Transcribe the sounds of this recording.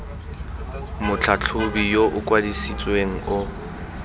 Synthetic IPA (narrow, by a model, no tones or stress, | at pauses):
mʊt͡ɬʰat͡ɬʰʊbijoʔʊkʼwadisit͡sʼweŋ̩ʊ